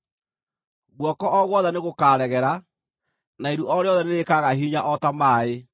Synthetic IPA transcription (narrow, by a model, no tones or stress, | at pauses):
ɣwɔkɔʔɔɣwɔðɛneɣokaːɾɛɣɛɾa | naeɾuʔɔɾeɔðɛneɾekaɣaɦiːɲaʔɔtamaːe